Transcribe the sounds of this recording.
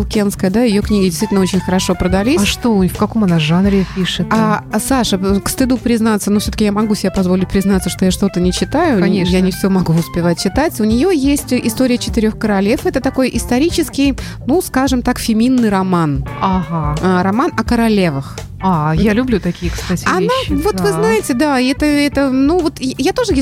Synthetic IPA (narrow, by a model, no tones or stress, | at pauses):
lˠkʲenskəjəd̪ajɪjo̞knʲiɡʲɪdʲɪst̪vit̪ʲlʲnəot͡ɕɪnʲxəɾɐʂo̞pɾəd̪ɐlʲisʂt̪ofkɐko̞mɐnaʐanɾʲɪpʲiʂɨt̪asaʂəkst̪ɨd̪upɾʲɪznat̪sənofsʲot̪əkʲjamɐɡusʲɪbʲapɐzvo̞lʲɪt̚ʲpɾʲɪznat̪səʂt̪ojaʂt̪o̞t̪ənʲɪt͡ɕɪt̪ajʊejanʲɪfsʲɪomɐɡuʊspʲɪvat̚ʲt͡ɕːɪt̪atʲʊnʲɪjojesʲtʲʔɪst̪o̞ɾʲɪjət͡ɕɪt̪ɪɾʲo̞xkəɾɐlʲe̞fɛt̪ət̪ɐko̞jʔɪst̪ɐɾʲit͡ɕɪskʲɪj | nuskaʐɨmt̪akfʲɪmʲinːɨjɾɐmanaɦaɾɐmanɐkəɾɐlʲe̞vəx | ajalʲʊblʲut̪ɐkʲijəkst̪atʲɐnavo̞t̪vɨznajɪtʲɪd̪aɛt̪əɛt̪ənuvo̞t̪jat̪o̞ʐɨje